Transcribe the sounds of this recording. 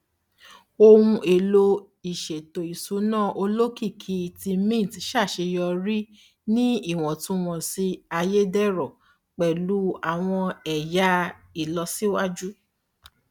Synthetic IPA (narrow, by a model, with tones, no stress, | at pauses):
o˧wũ˧e˨lo˧ | i˨ʃe˨to˨i˨su˨˦nãː˦˨ʔo˧lo˦ki˦˨kʰi˧ti˧mĩ˦˨tʃa˦˨ʃe˧jɔ˧ɾi˦ | nĩ˦i˦˨w̃ɔ̃˨tũ˦w̃ɔ̃˧si˧a˧je˦dɛ˦ɾɔ˨ | k͡pɛ˨lu˨˦a˨w̃ɔ̃˧ɛ˨ja˦i˨lɔ˧si˦wa˦d͡ʒu˦